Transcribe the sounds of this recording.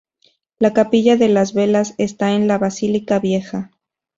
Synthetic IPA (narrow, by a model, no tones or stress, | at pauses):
lakapiʝaðe̞lazβe̞lase̞st̪aenlaβasilikaβje̞xa